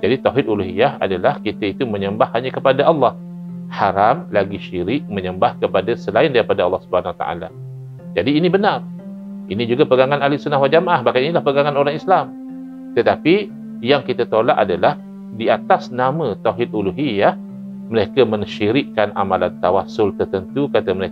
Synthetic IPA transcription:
d͡ʒadit̪awɦɪd̪uluɦijaha̰dalahkit̪ait̪umə̃ɲəmbahːaɲakəpadaʔɑlˠːɑh | haɾamlaɡiʃiɾɪʔ̚mə̃ɲəmbahkəpadasəlaɪndaɾipadaɑlːɑhsubəhanawat̪a̰ʔa̰la̰ | d͡ʒadiːnibənar | inĩd͡ʒuɡapəɡaŋanalisunahwaʔ̚d͡ʒamaʔahbahkaninilahpəɡaŋanoɾaŋislam | t̪ət̪api | jaŋkit̪at̪olaʔadalah | diat̪asnamə̃t̪awɦɪd̪̚uluɦijah | məɾekamə̃ŋʃiɾɪʔkːanʔa̰malant̪awasʊlt̪ərt̪ənt̪ukat̪aməɾe

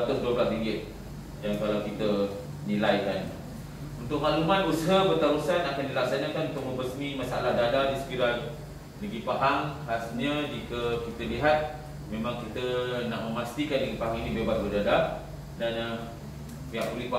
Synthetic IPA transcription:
t̪ʊʔ̚duəblasɾiŋɡɪt̪̚ | dankalawkit̪ə | nilajkan | unt̪ʊk̚maʔlumanbusəɦəbərt̪aɾusanakandilaksanakanunt̪ʊʔ̚mə̃mbəsmĩmasaa̰lahdadadisə̥kiɾa | ləɡipaɦaŋhast̪ɲad͡ʒikəkit̪əliɦat̪̚ | mẽmãŋkit̪ənaʔməmast̪ikanləɡipaɦaŋinĩbebasbədada | dana | piaʔkulipa

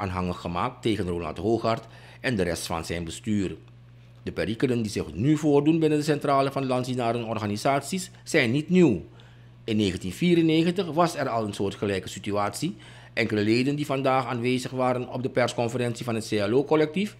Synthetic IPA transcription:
aːnɦɑŋəxəma̰ːk̚tːeːχənroːlɑ̰ntɦoːχɑrt | ɛndəɾɛstfɑ̰nzɛjnbəstyːr | dəpɛɾikənəndizɪχnyvoːrdunbɪnəndəsɛntraːlənvɑndəlɑntsinaːɾənɔrχaːnizaːtsisːɛjnːitniw | ɪnːeːɣəntinviːɾəneːχəntəχʋɑsɛrɑlˠənsʊːɹtχəlɛjkəsityaːtsi | ʔɛŋkələleːdəndivɑndaːχaːnʋeːzəχʋaːɾənɔ̰b̚dəpɛrskɔnfəɾɛnsivɑnɦətseːaːloːkɔlɛk̚tif

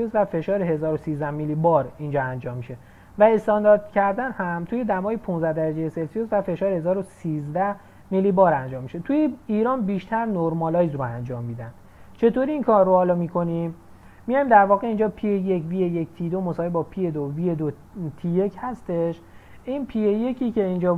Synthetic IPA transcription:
iozvæfe̞ʃɒːɾeɦe̞zɒːɾosiːzd̪æhmilːibɒːɾind͡ʒɒːænd͡ʒɒːmːiʃe̞ | væe̞st̪ɒnd̪ɒːɾd̪̥cʰæɾd̪ænhæmt̪ʰuːje̞d̪æmɒːjepʰũnzd̪æhd̪æɾæd͡ʒejeselsiozvæfe̞ʃɒːɾehe̞zɒːɾosiːzd̪æh | milːibɒːɾænd͡ʒɒːmːiʃe̞t̪ʰujeiːɾɒːnbiːʃt̪ʰæɾnoɾmɒlɒːjzɾoænd͡ʒɒːmːiːd̪ænd̪̥ | t͡ʃʰe̞t̪oːɾiːŋkʰɒːɾːohɒːlɒmiːkʰo̞nim | mijɒjmd̪æɾvɒːɣe̞ind͡ʒɒːpʰijejecvijejecʰt̪ʰid̪o̞mosɒːɦebɒːpʰijed̪ovijed̪o | t̪ʰije̞cʰhæst̪e̞ʃ | ʔiːnpʰijeje̞cʰiːce̞ind͡ʒɒː

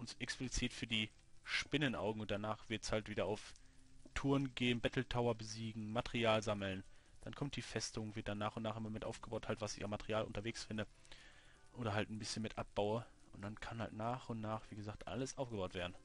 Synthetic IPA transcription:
ʔʊnsʔɛksplit͡siːtfyːɐdiː | ʃpɪnənʔa̰ʊɡŋ̩ʊnt̚d̥anaːχv̥ɪɐtshaltv̥iːdɐaʊftʰʊːɐnɡeːnbɛtl̩tʰaʊɐbəziːɡŋ̩matəʁiaːlzaml̩n | d̥ankʰɔmtd̥iːfɛstʊŋvɪɐtd̥anaːχʊntnaːχʔɪmɐmɪtʔa̰ʊfɡ̥əbaʊthaltv̥asɪçamːatəʁiaːlʔʊ̰ntɐveːksfɪndə | ʔoːɾɐɦaltn̩bɪsçənmɪtʔap̚b̥aʊə | ʔʊntd̥ankʰanha̰ltnaːχʊntnaːχv̥iːɡəzaːk̚tʔa̰ləsʔaʊfɡəbaʊtv̥eːɐdn̩

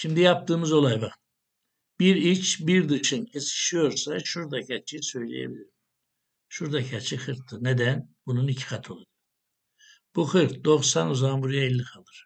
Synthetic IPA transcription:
ʃimd̪ijap̚t̪ɯːmɯzo̞lˠajbaχt̪ | b̥iɾit͡ʃbiɾd̪ɯʃɯncʰesi̥ʃijo̞ɾsaʃuɾd̪acʰat͡ʃʰijsø̞jlʲḛjḛbilʲiɾ | ʃuɾd̪acʰat͡ʃʰixɯɾt̪ːɯned̪ænbununicʰi̥xat̪ʰɯolˠud̪ɯ | b̥uxɯɾt̪̚d̪o̞χsanuzambuɾijailʲːikʰalˠɯɾ̥

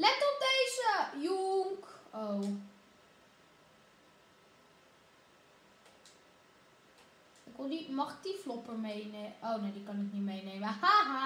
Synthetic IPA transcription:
lɛtɔt̚dejzəjuŋkow | ɪkʋɪlˠdimɑχɪk̚diflɔpəɹmejneʔownewdikɑnɪknimejnejməxaːɦa

